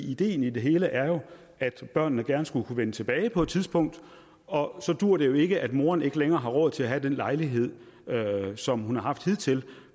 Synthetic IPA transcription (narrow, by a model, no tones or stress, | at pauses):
id̥e̝̰ːn̩id̥e̝ɦe̝ːləʔæɐjo̝ | ʔæd̥b̥ɶɐ̰nnəɡ̥æɐnəsɡ̥ulkʰuʋenət͡sʰe̝b̥ɛːɪpʰɒ̽e̥t͡sʰiðˠsb̥ɔ̽ŋ̰d̥ | ɒ̽sɒ̽d̥uɐ̰d̥e̝jo̝e̝ɡ̥əʔæd̥mo̝ːɐne̝ɡ̥əleŋɐːɦɑ̈ʁɔ̽ðˠt͡sʰe̝læɦæd̥enlɑ̈ɪliɦe̝ð̰ˠ | øsɒ̽mhunhɑ̈ɦɑ̈fd̥hið̞̰ˠt͡sʰe̝l